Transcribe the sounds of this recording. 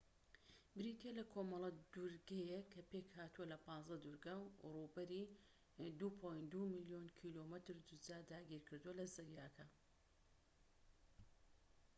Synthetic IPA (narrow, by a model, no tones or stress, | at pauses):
bɾit̪ʰelɐkʰomɐlˠɐd̪uɾɡɐjekʰɐpekhaːt̪uwɐlɐpɑːnzɐd̪uɾɡɐwrubɐɾi | d̪upʰojnd̪umɨlijonkʰiloːmɨt̪ɾd̪ud͡ʒaːd̪aːɡʲiːɾkʰɨɾd̪uwɐlɐzɐɾjaːkʰɐ